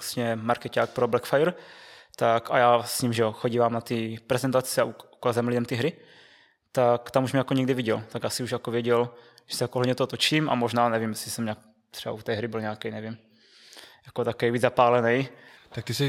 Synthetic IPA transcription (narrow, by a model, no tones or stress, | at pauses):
ast̪ɲɛmaɾkɛcaːk̚pɾoblɛkfajɛɾt̪aka̰jaːsɲimʒɛoxoɟivaːmnat̪ipɾɛzɛnt̪at͡sɛaʔuukaːzɛmlidɛmt̪ɪɦɾɪ | t̪akt̪amuʃmɪɛjakoɲɛɡdɪviɟɛlt̪aɡjaːsɪuʒjakovjɛɟɛlʒɛ̥sɛjakoɦodɲɛt̪oot̪ot͡ʃiːmʔa̰moʒnaːnɛvimjɛsɪsɛmɲaːk̚ | t̪r̥ɛba̰ut̪ɛːɦɾɪbɪlɲaakɛjnɛvim | jakot̪akɛjviːzapaːlɛnɛjt̪ak̚t̪ɪsi